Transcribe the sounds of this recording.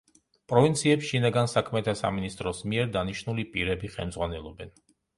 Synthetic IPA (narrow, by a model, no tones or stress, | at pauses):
pʼɾɔvint̪sʰiɛpsʃinaɡansakʰmɛt̪ʰasa̰minist̪ʼɾɔsmiɛɾd̪aniʃnulipʼiɾɛbiχɛ̰lˠmd̪zʁwanɛlˠɔbɛn